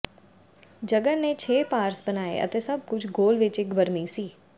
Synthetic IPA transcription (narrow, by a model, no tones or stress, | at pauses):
d͡ʒəɡənnet͡ʃʰeːpaːɾsbənaːḛʔə̰t̪eːsɐb̚kʊt͡ʃʰɡoːlʋɪt͡ʃɪkbəɾmisiː